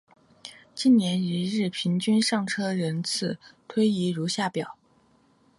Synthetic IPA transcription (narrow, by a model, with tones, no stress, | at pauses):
t͡ɕi˥˩nnjɛ˧˥ni˧˥ɻɻ̩˥˩pʰi˧˥ŋt͡ɕy˥nʂɑ˥˩ŋʈ͡ʂʰɤ˥ɻə˧˥nt͡sʰɹ̩˥˩t̪ʰwe˥ɪi˧˥ɻu˧˥ɕja˥˩pjɑ˨˩˦ʊ